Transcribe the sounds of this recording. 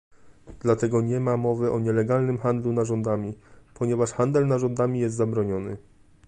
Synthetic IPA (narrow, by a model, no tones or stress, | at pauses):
d̪̥lat̪ɛɡɔɲɛmamɔvɘʔɔɲɛlɛɡalnɘmxand̪lunaʐɔnd̪amʲipɔɲɛvaʂxand̪ɛlnaʐɔnd̪amʲijɛst̪zabɾɔɲɔnɘ̰